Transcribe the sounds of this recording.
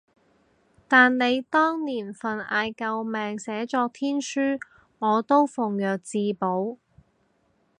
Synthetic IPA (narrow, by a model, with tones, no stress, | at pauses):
t̪aː˨nne˨˧jt̪ɔː˥ŋniː˨˩nfɐ˨˩nʔa̰ː˨˧jkɐ˨˧wmɛː˨ŋsɛː˨˥t͡ʃɔː˧k̚t̪ʰiː˥nsyː˥ | ŋɔː˨˧t̪o˥wfʊ˨˩ŋjœː˨k̚t͡siː˧po˨˥w